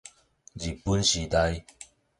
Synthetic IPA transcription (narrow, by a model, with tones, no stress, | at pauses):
d͡ʑi˨˩pu˦nɕi˨˧˦t̪a˧j